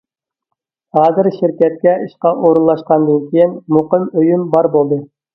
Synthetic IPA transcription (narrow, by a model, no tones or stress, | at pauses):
hɑːzɪɾʃɪɾkʲɛt̪̚kʲɛʔiʃqɑʔoɾunlˠɑʃqɑnd̪ɨnkʲʰejinmoqəmøjymbɑɾbolˠd̪ɨ